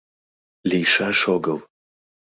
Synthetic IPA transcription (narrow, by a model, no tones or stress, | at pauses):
lʲijʃaʃoɡəlˠ